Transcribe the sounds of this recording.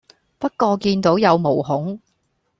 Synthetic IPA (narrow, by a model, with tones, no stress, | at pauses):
pɐ˥t̚kɔː˧kiː˧nt̪o˨˥wjɐ˨˧wmo˨˩wɦʊ˨˥ŋ